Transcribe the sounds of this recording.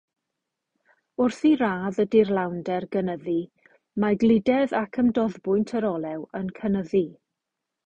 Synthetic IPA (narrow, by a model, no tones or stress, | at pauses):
ʊrθiɾaːðədɪrlˠawndɛrɡənəði | maɡlˠɪdɛðakʰəmdɔðbʊɨntʰəɾɔlˠɛwənkʰənəði